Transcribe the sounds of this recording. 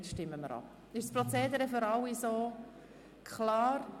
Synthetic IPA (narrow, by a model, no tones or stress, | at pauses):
t͡sʃtɪmːəməɾɑ̰p | ɪʃspɾɔt͡seːd̪əɾəføɾɑwisoː | kʰlɑːɾ